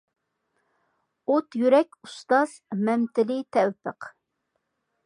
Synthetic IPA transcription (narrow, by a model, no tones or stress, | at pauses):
ot̪jyɾɛkʲust̪ɑz̥mɛmt̪ɪlɪt̪ʰɛwpəq